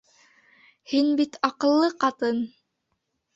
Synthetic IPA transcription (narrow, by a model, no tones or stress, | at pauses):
hinbit̪ʰɑqɤ̆lˠːɤqɑt̪ɤn